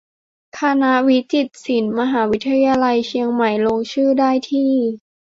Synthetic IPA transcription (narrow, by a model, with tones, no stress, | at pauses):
kʰa˧na˦˥wi˦˥t̪i˨˩t̪̚si˩˦nma˧ɦaː˩˦wi˦˥t̪ʰːa˧ja˧jaː˧la˧jt͡ɕʰi˧əŋma˨˩jloː˧ŋt͡ɕʰɯː˥˩daː˥˩jt̪ʰiː˥˩